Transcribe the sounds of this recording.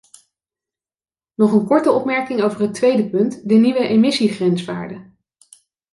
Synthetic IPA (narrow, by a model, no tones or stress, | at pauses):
nɔχənkɔɹtəɔpmɛɹkɪŋowvəɹɦətʋejdəpɵntdəniʋəʔemɪsiχrɛnsʋaːɹdə